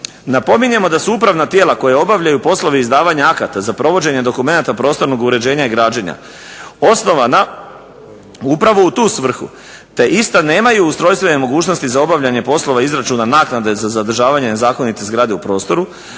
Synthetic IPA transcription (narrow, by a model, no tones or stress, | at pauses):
napo̞miɲe̞mo̞d̪asuupɾaʋnat̪je̞ːlˠako̞jeo̞baʋʎajupo̞slˠo̞ʋiizd̪aːʋaɲaakat̪azapɾo̞ʋo̞d͡ʑe̞ɲe̞d̪o̞kume̞nat̪apɾo̞ːst̪o̞ɾno̞ɡuɾe̞d͡ʑe̞ːɲaiɡɾaːd͡ʑeɲa̰ | o̞sno̞ʋana | upɾaʋo̞ut̪uːsʋr̩xṵ | t̪e̞ʔist̪ane̞ːmajuust̪ɾo̞jst̪ʋe̞ne̞mo̞ɡuːt͡ʃno̞st̪izao̞baʋʎaɲe̞po̞slˠo̞ʋaizɾat͡ʃuːnanaːknad̪e̞zazad̪r̩ʒaːʋaɲe̞ne̞zaːko̞nit̪e̞zɡɾaːd̪e̞upɾo̞ːst̪o̞ɾu